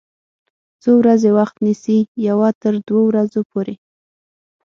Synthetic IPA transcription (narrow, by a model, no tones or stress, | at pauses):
t͡sowɾazewaxt̪nisijawɑt̪əɾd̪wowɾazopoɾe